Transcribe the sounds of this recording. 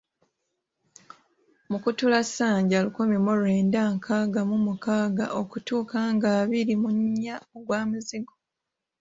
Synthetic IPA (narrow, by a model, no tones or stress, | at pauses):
mukutulasːaːɲɟalukumimolwe̞ːndaːŋkʰaːɡamumukaːɡa̰ʔokutuːkaːŋɡaːβiɾimuɲːaoɡwaːmuziɡo